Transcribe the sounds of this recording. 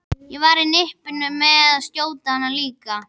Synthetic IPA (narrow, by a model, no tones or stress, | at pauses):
jɛvaɾɪnɪhpɪnːʏmɛðaðst̪joːwt̪ahanːaliːka